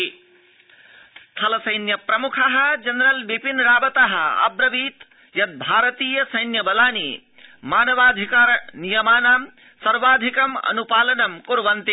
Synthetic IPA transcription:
t̪ʰɐlɐsɐjnjɐpɾɐmukʰɐɦɐ̆d͡ʒɐnɾɐlbipinɾaːbɐt̪aɦɐ̆ɐ̰bɾɐbiːt̪ | jɐt̪̚bʱaːɾɐt̪iːjɐsɐjnjɐbɐlaːni | maːnɐʋaːd̪ʱikaːɾnijɐmaːnaːm | sɐɾʋaːd̪ʱikɐmɐ̰nupaːlɐnɐmkuɾʋɐnt̪i

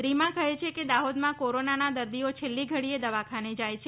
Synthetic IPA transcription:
ɾimãkəɦet͡ʃʰeked̪aɦod̪mãkoɾonanad̪əɾd̪iot͡ʃʰelːiɡʱəɽied̪əʋakʰaned͡ʒajt͡ʃʰe

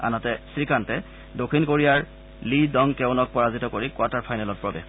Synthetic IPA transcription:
a̰natɛsɹikantɛ | dokʰinkoɹijaɹ | lidɔŋkɛʊnɔk̚pɔɹazitɔkoɹikwataɹpʰajnalɔt̚pɹɔbɛ̰x

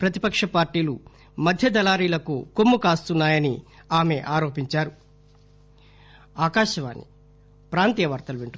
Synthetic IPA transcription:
pɾɐt̪i̥pɐkʂɐpaːɾʈiːlu | mɐd̪ʱjɐd̪ɐlaːɾiːlɐkṵkomːukaːst̪unːaːjɐniaːme̞ʔaːɾo̞ːpiɲt͡ʃaːɾu | aːkaːʃɐʋa̰ːnːḭ | pɾaːnt̪ijɐʋɐɾt̪ɐluʋeɳʈu

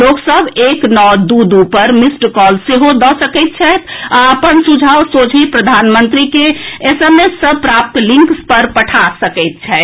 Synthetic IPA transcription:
loksəbeknɔd̪ud̪upəɾmisʈkɔlseɦod̪ɔsəkɛɪt̪̚t͡ʃʰɛt̪ʰaəpənsud͡ʒʱawsod͡ʒʰipɾəd̪ʱanmənt̪ɾikeesəmesəbpɾap̚t̪lĩŋkspəɾpəʈʰasəkɛɪt̪̚t͡ʃʰɛ

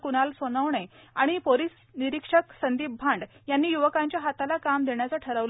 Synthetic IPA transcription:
kunalsonəʋɳe | a̰ɽ̃ipolis | niɾikʂəksənd̪ibbʱãɳɖjanːiːjuʋəkaɲt͡ɕjaɦat̪alakamd̪eɳjat͡saʈʰəɾəʋl

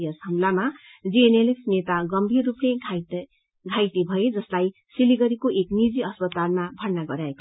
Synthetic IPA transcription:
jʌsɦʌmlama | d͡zienelepʰnet̪aɡʌmbʱirːupne | ɡʱajʈ̪ebʱʌed͡zʌslaj | siliɡʌɾikoʔeknid͡ziʌspʌt̪almabʱʌrnaɡʌɾjaeko̥

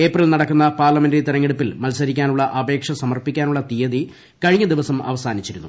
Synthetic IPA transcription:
e̞ːprilnɐɽɐkːunːɐpaːrlɐmendet̪iɾɐŋːeɽupːilmɐlsɐɾik̬ʲːaːnuɭːɐʔɐbe̞ːkʂɐsɐmɐrpikʲːaːnuɭːɐt̪ijɐði | kɐɻiɲːɐd̪iʋɐsɐmɐ̰ʋɐsaːnit͡ɕːiɾunːṵ

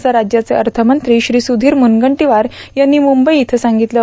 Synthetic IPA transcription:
t͡saɾad͡ʑjat͡seəɾt̪ʰəmənt̪ɾiːɕɾiːsud̪ʱiːɾmunɡəɳʈiʋaɾjanːiːmumbəjːt̪ʰəsaŋɡit̪lə

